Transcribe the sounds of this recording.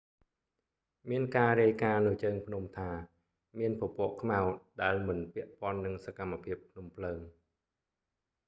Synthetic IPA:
miənkaːɾiəjkaːnɨt͡ɕəːŋpʰnumt̪ʰaː | miənpopŏəʔkʰmaɔt̪̚ɗaɛlmɨnpɛ̆əʔpŏənːɨŋsakamːapʰiəpʰːnumpʰləːŋ

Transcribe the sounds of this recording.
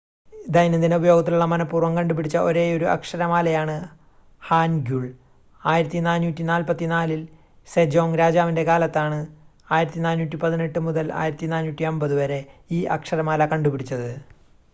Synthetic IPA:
d̪ɐjnɐnd̪ineubɐjo̞ːɡɐt̪̬ːiluɭːɐmɐnɐpːuːrʋɐmkɐɳɖupiɽit͡ɕːɐʔo̞ɾe̞ːo̞ɾuʔɐ̰kʂɐɾɐmaːlɐjaːɳɨ | haːnɡjuɭ | aːjiɾɐt̪ːinaːnːuːtːinaːlpɐt̪ːinaːlil | sed͡ʑo̞ːŋɾaːd͡ʑaːʋinde̞kaːlɐt̪ːaːɳɨ | aːjiɾɐt̪ːinaːnuːtʲːipɐðine̞ʈːɨmuðɐla̰ːjiɾɐt̪ːinaːnːuːtʲːiɐmbɐðuʋɐɾe̞iːʔɐ̰kʂɐɾɐmaːlɐkɐɳɖupiɽit͡ɕːɐðɨ

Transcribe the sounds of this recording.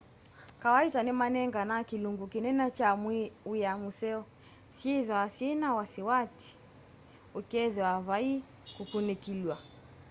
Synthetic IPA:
kawaitanimanɛŋɡanakiluŋɡukinɛnat͡ʃamwiwijamusɛɔ | siɛðasɛnawasiwati̥ | ukɛðɛaβai | kukunikilwa

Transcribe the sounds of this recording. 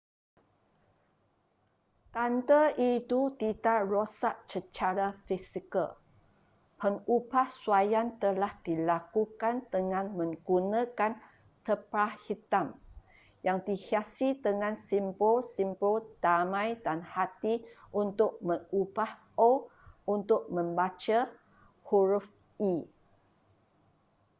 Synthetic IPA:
t̪ant̪əʔit̪ut̪idaʔrosat̪̚sət͡ʃaɾafisikə̰l | pəŋubahsuajant̪əlahd̥ilakukand̪əŋãnmə̃ŋɡunãkan | t̪əpahit̪am | jaŋdihiasid̪əŋãnsimposimpod̥amãjdanhat̪i | ʔunt̪ʊʔ̚məŋubah | ount̪ʊk̚mə̃mbat͡ʃa | huɾʊf | i

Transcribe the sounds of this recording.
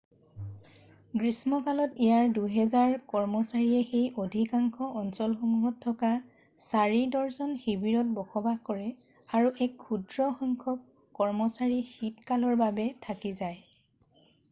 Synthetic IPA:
ɡɹismɔkalɔtɛjaɹduɦɛzaɹkɔɹmɔsaɹiɛxejʔodʱikaŋkʰɔʔɔnsɔlxomuɦɔtʰːɔka | saɹidɔɹzɔnxibiɹɔt̚bɔxʰɔbakɔɹɛ | aɹuʔɛkʰːudɹɔxɔŋkʰɔb̚ | kːɔɹmɔsaɹixitkalɔɹbabɛtʰakizaj

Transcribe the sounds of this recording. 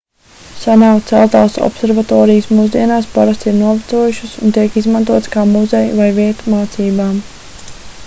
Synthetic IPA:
sanawkt̪sɛlˠt̪aːsɔ̰psɛɾvat̪ɔːɾijɨsmuzd̪iɛnaːspaɾast̪iɾnuɔvat̪suɔjuʃəsṵnt̪iɛkizmant̪uɔt̪skaːmuzɛjvajviɛt̪maːt̪siːbaːm

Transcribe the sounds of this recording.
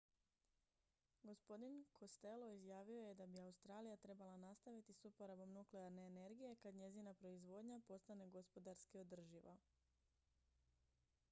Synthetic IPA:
ɡo̞spo̞d̪inkʰo̞st̪e̞lo̞izjaːʋio̞je̞d̪abiaust̪ɾaːlijat̪ɾe̞balˠanast̪aʋit̪isupo̞ɾabo̞mnukleaɾne̞ːne̞ɾɡije̞kad̪ɲe̞zinapɾo̞izʋo̞d̪ɲapo̞st̪ane̞ɡo̞spo̞d̪aɾskio̞d̪r̩ʒiʋa̰

